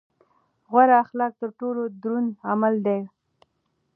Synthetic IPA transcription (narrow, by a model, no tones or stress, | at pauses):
ɣwaɾaːxlɑk̚t̪əɾʈolod̪ɾunamald̪aj